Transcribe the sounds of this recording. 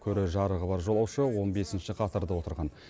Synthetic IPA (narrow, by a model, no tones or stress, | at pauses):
kʲʰɵɾeʒɑɾəʁəbɑɾʒo̞lˠɑwʃəwo̞nbe̞sɪnʃɪqʰɑt̪ɑɾd̪əwo̞t̪əɾʁɑn